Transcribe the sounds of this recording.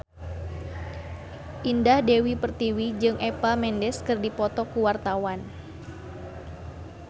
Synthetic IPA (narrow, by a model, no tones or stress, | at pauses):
ʔindahdewipərt̪iwid͡ʒɨŋʔepamɛndɛskɨrdipɔt̪ɔkuwart̪awan